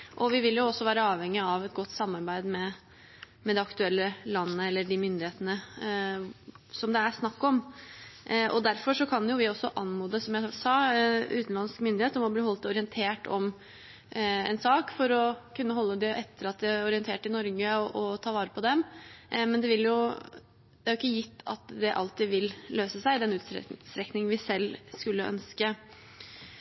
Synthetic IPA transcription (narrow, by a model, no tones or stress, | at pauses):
ʔɔʋɪʋɪljʊɔsːɔʋæːɾəɑːʋhɛŋːɪɑʋɛt̪̚ɡɔt̪ːsɑmːɑɾbæɪd̪mɛ | mɛd̪ɛɑkt̪ʉɛlːəlɑnːəɛlːəɖɪmʏnd̪ɪheːt̪ənə | sɔmd̪ɛæʂnɑkːɔm | ʔɔd̪æɾfɔʂɔkʰɑnjʊʋɪɔsːɔʔɑnːmuːd̪əsɔmjæɪsɑːʉːt̪nlɑnskmʏnd̪ɪeːt̪ɔmɔbliːɦɔlt̪ɔɾɪɛnt̪ʰeːʈʰɔm | ɛ̰nsɑːkfɔɾɔkʉnːəɦɔlːəd̪ɛʔɛt̪ʰːəɾɑt̪̚d̪ɛæɾɔɾɪənt̪ʰeːʈɪnɔɾɡəɔʔɔt̪ʰɑːʋɑːɾəpʰɔd̪ɛmmɛnd̪ɛʋɪljʊ | d̪̥ɛæɾjʊɪkːəjɪt̪ːɑ̰t̪d̪ɛʔɑ̰lt̪iːʋɪlløːsəsæɪd̪ɛnʉːt̪sst̪ɾɛknɪŋnʋɪsɛlːskʉlːəʔœ̰nskə